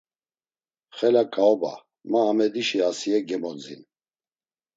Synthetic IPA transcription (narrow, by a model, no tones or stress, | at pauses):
χɛlakʼʰaɔba̰ | maːmɛd̪iʃiasiɛɡɛmɔd͡zin